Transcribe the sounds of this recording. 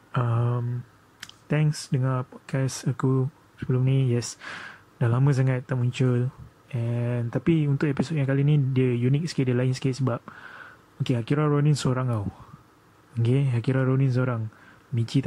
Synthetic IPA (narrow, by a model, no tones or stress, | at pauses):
am | t̪ɛ̃ŋsdəŋãpɔt̚kʰɛsaku | səbəlumnĩjɛs | dahlamə̃s̬aŋat̪ːaʔmuɲt͡ʃʊl | ɛnt̪apiunt̪ʊkepisot̚jãŋkalinĩdiəjunik̚sə̥keʔ̚diəlaɪnsə̥kɪtsəbap̚ | okehakiɾaɾonĩnsoɾaŋaw | okeɦakiɾaɾonĩns̬oɾaŋ | mĩt͡ʃit̪a